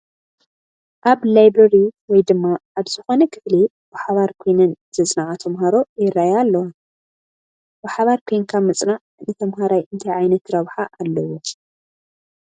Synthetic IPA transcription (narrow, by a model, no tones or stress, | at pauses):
ʔaβlajbɾɐɾiwɔjd̪ɨmːaʔaβzɨxo̞nɐkʰɨfli | bɨħaβaɾkʰojnɐnz̥ɐt͡sʼnaʕat̪ʰɐmɦaɾo̞jɪɾajalːɐwa | bɨħaβaɾkʰejŋkʰamɨt͡sʼnaʕ | nɨt̪ʰɐmɦaɾajʔɨnt̪ʰajʕajnɐt̪ɾɐβħaʔalːɐwo